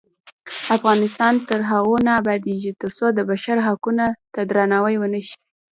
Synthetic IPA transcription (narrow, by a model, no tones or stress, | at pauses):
afɣɑnɪs̬t̪ɑnt̪əɾɦaɣonɑːbɑd̪eʒit̪əɾsod̪əbaʃaɾɦakunat̪ad̪ɾɑnɑwəjwənəʃi̥